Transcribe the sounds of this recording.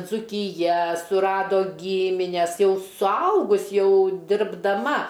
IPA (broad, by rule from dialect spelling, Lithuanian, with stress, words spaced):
d͡zuːkʲɪˈjɛ sʊˈrɑːdoː ˈɡʲiːmʲɪnʲɛs ˈjɛʊ sʊˈɐʊɡʊs ˈjɛʊ dʲɪrbdɐˈmɐ